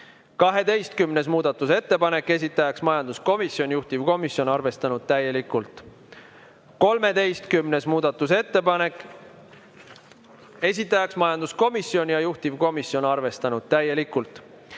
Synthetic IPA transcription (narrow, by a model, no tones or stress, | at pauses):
kɑɦe̞d̪e̞jst̪kymne̞s̬muːd̪̥ɑt̪ːˑuse̞t̪ːepɑne̞kːˑe̞s̬ʲit̪ːˑɑjɑksmɑjɑnd̪usko̞misjo̞nʲjuht̪ivko̞misjo̞nɑrve̞st̪ɑnud̪̥̚t̪æje̞likult̪ˑ | ko̞lme̞d̪e̞jst̪kymne̞smuːd̪̥ɑt̪ːˑuse̞t̪ːepɑnek | e̞s̬ʲit̪ːˑɑjɑksmɑjɑnd̪usko̞misjo̞nʲjɑjuht̪ivko̞misjo̞nɑrve̞st̪ɑnud̪̥̚t̪æjːe̞likˑult̪ˑ